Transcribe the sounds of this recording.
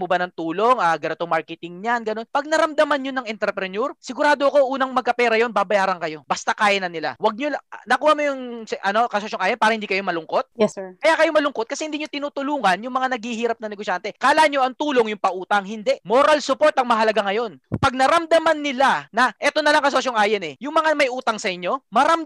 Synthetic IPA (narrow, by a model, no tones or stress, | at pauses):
mobɐnɐŋt̪uːlo̞ŋaːɡɐɾɛt̪omaɹkɛt̪ɪŋɲanɡɐno̞npɐɡ̚nɐɾɐmd̪ɐmanɲonɐŋɛnt̪ɛɾpɾɛnuɾsɪɡʊɾaːd̪oɐko̞ʔuːnɐŋmɐɡ̚kɐpɛːɾɐjo̞nbaːbɐjaːɾɐŋkɐjo̞bɐst̪akaːjɐnɐnɪla̰wɐɡ̚ɲonɐkuːhɐmojʊŋsɛʔɐno̞kɐsʊɐsoŋʔaːjɐnpaːɾɐhɪnd̪iːkɐjo̞mɐlʊŋko̞t̪̚jɛsɛkɐjakɐjo̞mɐlʊŋkot̪kɐsɛhɪnd̪iːɲot̪ɪnuːt̪ʊluːŋɐnjʊŋmɐŋanɐɡhiɦiːɾɐp̚nɐnɛɡosjant̪ɛkaːlaɲoʔɐŋt̪uːlo̞ŋjʊŋpɐʔuːt̪ɐŋhɪnd̪ɛʔmo̞ɾɐlsʊpo̞ɾt̪ɐŋmɐɦɐlɐɡaŋɐjo̞npɐɡ̚nɐɾɐmd̪ɐmanːɪlanɐʔɛːt̪o̞nɐlɐŋkɐsosoŋʔaːjɛnɛjʊŋmɐŋamɐjʔuːt̪ɐŋsɐʔɪɲːo̞mɐɾɐm